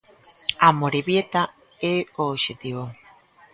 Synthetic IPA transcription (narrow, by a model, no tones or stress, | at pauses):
amoɾeβjet̪a | eoːʃet̪iβo